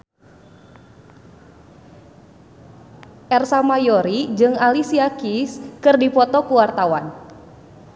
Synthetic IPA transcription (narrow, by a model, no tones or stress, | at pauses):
ʔɛrsamajoɾid͡ʒɨŋalisiakiskɨrdipɔt̪ɔkuwart̪awan